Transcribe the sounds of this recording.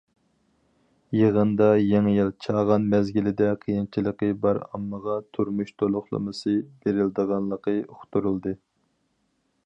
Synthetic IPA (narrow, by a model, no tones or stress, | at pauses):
jeʁənd̪ɑjeŋjilˠt͡ʃʰɑʁɑnmɛzɡʲilɪd̪ɛqʰijint͡ʃʰilˠəqəbɑɾɑ̰mːəʁɑt̪ʰuɾmuʃt̪ʰolˠʊχlˠə̰mɨsɨbeɾɪld̪əʁɑnlˠəqəoχt̪ʰuɾulˠd̪ɨ